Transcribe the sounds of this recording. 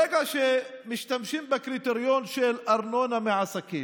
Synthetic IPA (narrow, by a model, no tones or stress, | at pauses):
eɡaʃemiʃt̪amʃimbekɾit̪eɾjonʃelʔaɾnonameʕasaki